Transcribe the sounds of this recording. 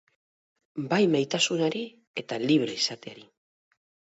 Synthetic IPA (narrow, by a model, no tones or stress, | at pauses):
bajmajt̪asunaɾi | e̞t̪aliβɾe̞isat̪e̞aɾi